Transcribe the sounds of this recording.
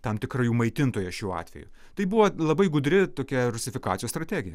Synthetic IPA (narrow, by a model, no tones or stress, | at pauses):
t̪ɐmt̪ʲɪkɾɐjuːmɐɪt̪ʲɪnt̪oːjɛɪʃʲjuːɑ̰ːt̪ʲʋʲɛ̰jʊ̰ | t̪ɐɪbuʋɐlˠɐbɐɪɡʊd̪ʲɾʲɪt̪oːkʲɛɾʊsʲɪfʲɪkɑ̰ːt͡ssʲjoːst̪ɾɐt̪ʲæːɡʲɪjɛ